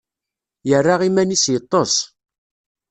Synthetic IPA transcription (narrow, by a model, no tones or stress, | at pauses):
jərːaʁimænisjət̪ˤːosˤ